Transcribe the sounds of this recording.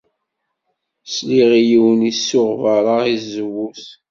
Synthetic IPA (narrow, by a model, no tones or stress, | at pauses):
sliʁijiwənisːʊʁvəɾˤəʁizəwːuθ